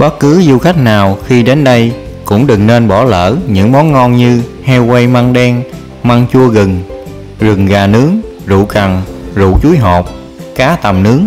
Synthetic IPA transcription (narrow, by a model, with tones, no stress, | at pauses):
ɓə˦˥t̚kɨ˨˦zu˧xa˦˥jk̟̚naː˨˩wxi˧ɗe˨˦nɗə˧j | kʊ̰˧˥ŋ͡mɗɨ˨˩ŋne˧nɓɔ˧˩lə̰ː˧˩ɲɨ̰˧˥ŋmɔ˨˦nŋɔ˧nɲɨ˧hɛ˧wwə˧jma˧ŋɗɛ˧ŋ | ma˧ŋt͡ɕu˧əɣɨ˨˩ŋ | zɨ˨˩ŋɣaː˨˩nɨ˨˦əŋ | zṵ˧˨ka˨˩ŋzṵ˧˨t͡ɕu˨˦jɦɔ˨˩p̚ | kaː˨˦t̪ə˨˩mnɨ˨˦əŋ